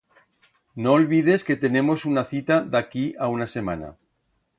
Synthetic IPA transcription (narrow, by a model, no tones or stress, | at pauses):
noːlβið̞e̞ske̞t̪e̞ne̞mo̞sunaθit̪aðakiʔaunase̞mana̰